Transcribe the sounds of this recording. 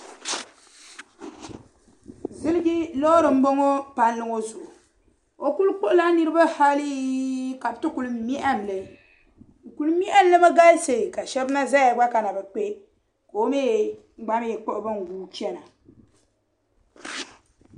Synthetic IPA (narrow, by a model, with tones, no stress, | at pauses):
zɨ˦lɪ˦ɡi˦lɔ˦ɾɨ˨m̩˦bo˦ŋo˦pa˦nlɨ˦ŋo˦zʊ˨ʔʊ˨ | o˨ku˦lk͡po˦ʔʊ˦la˦ni˦ɾɨ˦ba˦ha˦li˦ka˨btɨ˦ku˨lɨ˦mi˦ʔa˦m˨lɛ˨ | ku˨lɨ˦mi˦ʔa˦m˦lɨ˦ba˦ɡa˦lse˨ka˨ʃɛ˦bɨ˦na˦za˦ja˨ɡ͡ba˦ka˨na˨bɛ˨k͡pe˦ | ko˨o˦meː˦˨ | ŋ͡m̩˦ɡ͡ba˦m˦jɛ˨k͡po˦ʔʊ˨bɨ˦ŋ˨ɡuː˦t͡ʃɛ˦na˨